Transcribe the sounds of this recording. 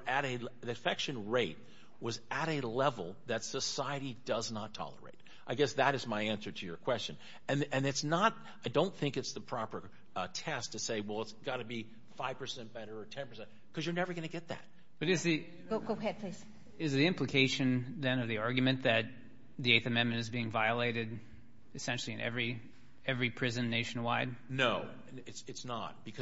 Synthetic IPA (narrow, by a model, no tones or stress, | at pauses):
ʔɨɾɨɨfɛkʃɨ̃nɹeɪt̚ | wʌzɨɾɨlɛvl̩ˠðɨtsəsaɪɨɾidʌznətʰɑ̰lˠə̰˞ḛɪɾ | ʔaɪɡɛsðɨɾɨzmaɪæ̃nsə˞ɾɨjə˞kʰw̥ɛst͡ʃɨ̃n | ɨ̃nɨ̃nɨtsnət̚ | aɪdõʊ̃nθɪ̃ŋkɨtsðəpʰɹ̥ɑpə˞ | tʰɛstʰɨseɪwɛlˠətsɡ̥ɑɾɨbi | faɪv̥pʰə˞sɛ̃n̚b̥ɛɾə˞ːtʰɛ̃npʰə˞sɛ̃n | kʰʌzjə˞nɛvə˞ɡʌ̃nɨɡɛt̪̚ðæ̰t̚ | b̥ʌɾɨzði | ɡ̥oɡoʊɛd̚pʰl̥iz̥ | ɨzðiɪ̃mplɨkʰeɪʃɨ̃nðɨ̃nʌvðiɑɹɡjmɨ̃nðɨt̪̚ | ðieɪθɨmɛ̃nmɨ̃ntɨzbiɪ̃ŋvaɪəleɪɾɨd | ɨsɛ̃nʃl̩ˠiɨ̃nʔɛ̰vɹi | ɛvɹipʰɹ̥ɪzɨ̃nːeɪʃn̩waɪd̥̚noʊ | ɨtsɨtsnə̰t̚b̥ɨkʰʌ